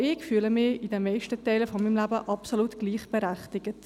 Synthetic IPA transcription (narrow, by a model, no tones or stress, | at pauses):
ɪkfyːləmɪidɛnmɛɪʃtətɛɪləfɔmiːmlæbəʔɑpsolutɡ̥liːχb̥ɛɾæχtɪɡət